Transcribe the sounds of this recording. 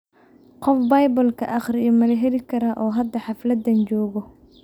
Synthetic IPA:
qɔfbɐjbɐlkʰɐʔɑχɾɪɔmɐlɛɦɛlɪkʰɐɾɐʔɔːɦɐd̪ːɐħɑflɐd̪ɐnt͡ʃɔːɣɔ

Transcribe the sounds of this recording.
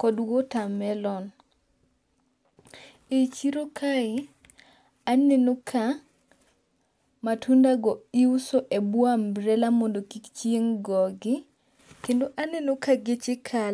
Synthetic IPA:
kɔdwotamɛlɔn | et͡ʃiɾokʰaɪ | nenokʰa | matʰundaɡɔiusoʔebwambɾɛlamondokikt͡ʃjeŋɡɔɡɪ | kendoʔanenokaɡɪt͡ʃɪkʰal

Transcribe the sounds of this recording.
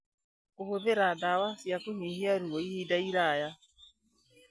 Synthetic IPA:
kohoðeɾadawasjakoɲehiaɾuɔihidaiɾaːja

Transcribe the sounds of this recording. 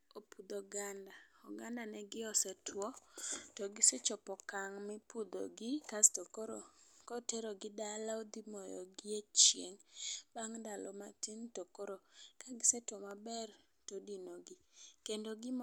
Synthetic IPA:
opud̪oɡandaɔɡandanɛɡɪɔsɛtʰwɔtɔɡɪset͡ʃɔpɔkaŋmɪpud̪o̰ɡɪkastokoɾokɔteɾoɡɪdalaod̪imɔjɔ̰ɡɪet͡ʃjḛŋb̥aŋdalɔmatintokoɾokaɡɪsɛtwɔmabɛr | todinoɡɪkendoɡɪm

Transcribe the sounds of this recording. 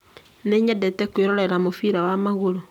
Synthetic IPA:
neɲɛdetekweɾoɾeɾamofiɾawamaɣoɾo

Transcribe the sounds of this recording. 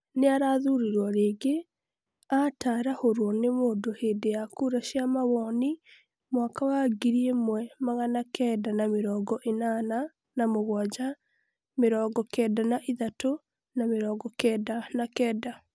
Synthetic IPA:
neaɾaðuɾiɾwɔɾeːɡe | ataɾahoɾwɔnemoːndoheːdejakuɾaʃiamaβɔni | mwakawaɡiɾiemwɛmaɣanakʰɛːdanameɾɔːɡɔʔenana | namoɣwad͡ʒa | meɾɔːɡɔkɛːdanaʔiðato | nameɾɔːɡɔkɛdanakɛːda

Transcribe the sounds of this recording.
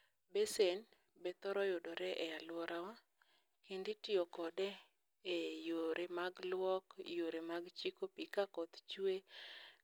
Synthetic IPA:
besen | bɛt̪ɔɾɔjodɔɾɛʔɛalwɔɾʔawa | kinditɪɔkɔdɛ | ejoɾʔemaɡlwɔkjoɾemaɡt͡ʃikopikakɔt̪t͡ʃwe

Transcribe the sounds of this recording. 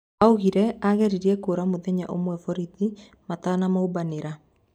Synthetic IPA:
auɣiɾɛaɣɛɾiɾiɛkoːɾamoðɛɲa̰ʔo̰mwɛfɔɾiði | mataːnamaubaneɾa

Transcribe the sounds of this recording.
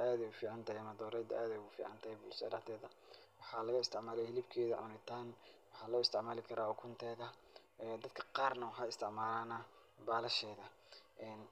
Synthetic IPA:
aːðɛjʊfiːʕɑnt̪ʰɐɛmɐd̪ɔːɾɛjd̪ɐʔaːðɛjɣʊfḭːʕɑ̰nt̪ʰɐɛbʊlsɐ̰ɖɐqt̪ʰɛːðɐ | wɑħɑlɐɣɐɪst̪ʰɪʕmaːlɛjhɛlɪbkʰɛːðɐʕʊ̰nɪt̪ʰaːnwɑħɑːlɔːɪst̪ʰɪʕmaːlɪkʰɐɾaːɔkʰʊnt̪ʰɛːɣɐ | ɛd̪ɐd̪̥̚kʰɐ̥qɑːrnɐwħɑɪst̪ʰɪʕmaːlaːnɐ | baːlɐʃɛːðɐ | ʔɛːn

